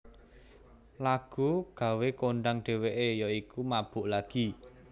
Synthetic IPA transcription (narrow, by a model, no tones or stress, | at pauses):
laɡ̥ṳɡ̥a̤wekoɳɖaŋɖ̥e̤weʔejɔikumab̥ʊ̤ʔlaɡ̥i